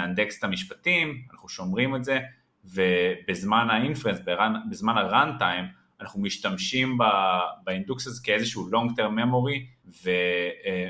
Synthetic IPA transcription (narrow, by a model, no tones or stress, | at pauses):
and̪ekse̥tamiʃpatimanaχnuʃo̞mʁimeze̞ | vebezmanainfensbeʁanbezmanhaʁantajm | anaχnumiʃtamʃimbabainduksazekeezeʃuulo̞ŋɡt̪eʁmːemo̞ʁive